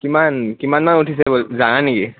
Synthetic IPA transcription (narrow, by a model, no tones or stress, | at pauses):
kimankimanmanuʈʰisebold͡zaɽ̃aniɡi